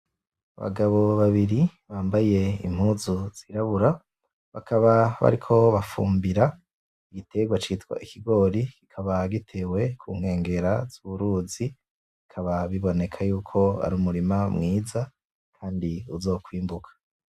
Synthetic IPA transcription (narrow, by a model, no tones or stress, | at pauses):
a̰βa̰ɡaβo̞βaβiɾiβaːmbaje̞ḭm̥huːzuz̥iɾaβuɾa | βakʰaβaβa̰ɾikʰo̞βafuːmbiɾa | iɡitʰe̞ɡwat͡ʃitwa̰ʔikʰiɡo̞ːɾikikʰaβaɡitʰe̞we̞kʰuːŋ̥he̞ːŋɡe̞ɾaz̥uβuɾuːzi | ikʰaβaβiβo̞ne̞kʰajuːkʰo̞a̰ɾuːmuɾimamŋiːza | kʰaːndiuzo̞ːkwiːmbukʰḁ